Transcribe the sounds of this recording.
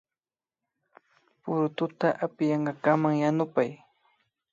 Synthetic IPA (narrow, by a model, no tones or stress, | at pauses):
pʊɾʊt̪ʊt̪aʔapɪjɑɴɢɑkamaŋjanʊpaj